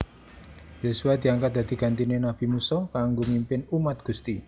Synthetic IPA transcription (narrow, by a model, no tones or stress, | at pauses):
josuwad̪̥i̤aŋkat̪̚d̪ä̤d̪̥i̤ɡ̥a̤nt̪inenab̥i̤musɔkaŋɡomimpɪnumat̪̚ɡ̥ṳst̪i